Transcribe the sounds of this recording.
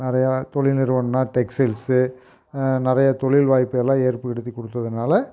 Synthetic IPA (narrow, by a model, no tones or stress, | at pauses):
nɪɾɐjat̪ɔɭɪlnɪɾɯʋɐnnaːʈɛksɐlsɯ | nɪɾɐjɐt̪ɔɭɪlʋaːjpːɯɛlːãːeːɾpɯɪɽɯt̪ːikːɔɽɯt̪ːɐðɯnaːlɐ